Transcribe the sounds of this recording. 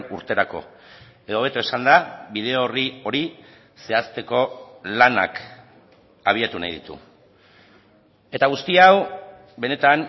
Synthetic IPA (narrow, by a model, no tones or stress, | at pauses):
nuɾt̪e̞ɾako̞̰ | e̞ð̞o̞β̞e̞t̪oesand̪aβið̞e̞orio̞ɾi | se̞ast̪e̞ko̞lana̰k | aβ̞iat̪una̰jðḭt̪ṵ | e̞t̪aɣ̞ust̪iaw | be̞ne̞t̪am